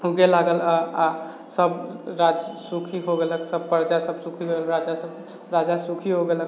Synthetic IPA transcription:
ɦuɡelaɡəlaa | səbɾad͡ʒsukʰiɦoɡeləksəbpəɾd͡ʒasəbsukʰiɦoelɾad͡ʒasəb | ɾad͡ʒasukʰiɦoɡelək

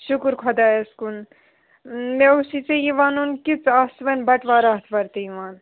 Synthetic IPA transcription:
ʃukɾkʰɔd̪aeskun | meusit͡seiʋaːnunkit͡sasʋɐnbɐʈʋaɾaɦt̪ʰbɐɾt̪iiʋaːn

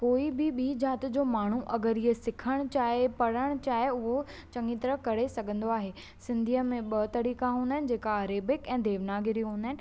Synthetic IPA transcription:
koːibɪɓiːd͡ʑaːt̪d͡ʑoːmaːɳ̤uʔɐɡəɾɪɦesɪkʰəɽ̃t͡ɕaːepɐɽ̤əɽ̃t͡ɕaːɦeʊɦo | t͡ɕɐ̃ŋɡit̪ɐɾəkɐɾesɐɡʱə̃nd̪oaːɦeː | sɪ̃nd̪ʱijəmẽɓɐt̪ɐɾiːkaɦũːnd̪aɦɪnɪ̆d͡ʑeːkaːɾeːbɪkɛ̃ːd̪eːʋnaːɡɪɾiɦũːnd̪aɦɪ̃nɪ̆

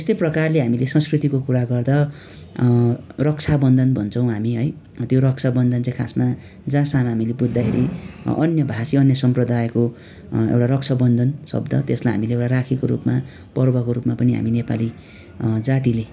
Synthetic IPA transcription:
ʌst̪eprʌkarleɦamilesʌ̃nskrit̪ikokuɾaɡʌrd̪ʌ | rʌk̚t͡sʰabʌnd̪ʱʌnbʱʌnt͡sʰʌ̃w̃ɦamiɦʌj | t̪joɾʌk̚t͡sʰabʌnd̪ʱʌnt͡sãĩkʰa̰sma | d͡zãsamɦamilebud̪ʱːakʰeɾiʌ̰njʌbʱasiʌnjʌsʌmprʌd̪ajko | ḛwʈaɾʌk̚t͡sʰabʌnd̪ʱʌnsʌ̰bd̪ʱʌ̰t̪eslajɦa̰mileewʈarakʰikoɾṵpma | pʌrbʌkoɾupmapʌniɦa̰minepali | d͡zat̪ile

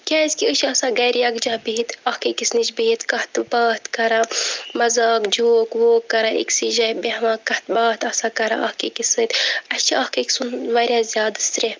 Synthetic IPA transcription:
kʲaːisʲkiəʃɐsaːɡɐːɾjɐːkd͡ʒaːbiɦit̪ɐhkeːkisnit͡ʃbiɦit̪kɐht̪baːt̪kɐɾaːmɐzaːkd͡ʒoːkʋoːkːɐɾaːʔḭksiːʒɐːbeʋãːkːɐht̪baːt̪ɐsaːkɐɾa̰ɐhkekisɨt̪ɐt͡ʃʰiɐhkeksunʋɐɾʲjaːzʲjaːd̪ɨst̪ɾʲe

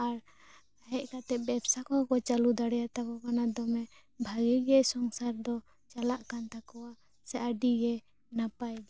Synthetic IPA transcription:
aɾ | aɦɛʔkat̪ɛp̚bɛbsakɔkɔt͡ʃalud̪aɽɛjat̪akɔkanad̪ɔmɛ | bʱaɡiɡɛsɔŋsaɾd̪ɔ | t͡ʃalaʔkant̪akɔwa | saʔaɖiɡɛ | napajd̪ɔ

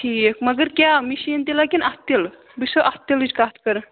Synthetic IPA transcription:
ʈʰikməɡəɾkʲjamiɕint̪elakinast̪el | bisoʔast̪elit͡ʃkat̪ʰkəɾə

